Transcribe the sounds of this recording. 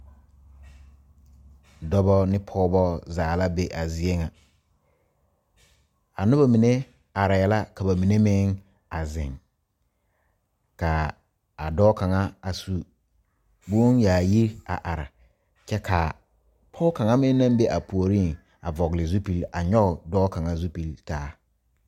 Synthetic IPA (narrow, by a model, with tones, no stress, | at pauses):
dɔ˦bɔ˦nɪ˦pʰɔ˦bɔ˦zaː˨la˦be˦ʔa˨zɪ˦ɛ˦ŋa˨ | a˨nʊ˦ba˨mi˨ne˦ | a˨ɾa˨jɛ˦la˦ka˨ba˨mi˨ne˦mɪ˦ŋ | a˨zɪ̰̃˨ŋ | ka˨ | a˨dɔː˦ka˨ŋa˦a˨su˦ | bu˦njaː˨ji˦ɾa̰˨ʔa˨ɾa̰˨ | t͡ʃɛ˦kʰa˨ | pʰɔː˦ka˨ŋa˦mɪ˦n˦nã˦mbe˦ʔa˨pʰu˨o˨ɾiː˦˨ŋ | a̰˨vɔ˨ɡɪ˨lɪ˨zu˦pi˨la˨ɲɔ˦ʊ˨dɔː˦ka˨ŋa˦zu˦pi˨ltaː˦